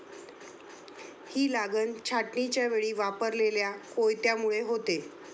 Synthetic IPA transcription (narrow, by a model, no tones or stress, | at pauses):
hiːlaɡənt͡ɕʰaʈnit͡ɕjaʋeɭiːʋapəɾleljakojt̪jamuɭeɦot̪e